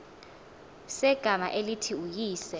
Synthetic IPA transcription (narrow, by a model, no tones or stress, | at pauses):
sɛɡ̥ʱama̰ʔelitʰiujiːsɛ